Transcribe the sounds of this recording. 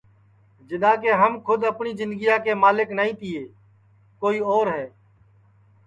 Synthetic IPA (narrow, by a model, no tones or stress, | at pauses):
d͡ʒɪd̪ãːkeːɦəmkʰʊd̪əpɳiːzɪ̃nd̪ɡɪjaːkeːmaːlɪknaːĩːt̪ɪːeː | koːiːɔːɾɦɛː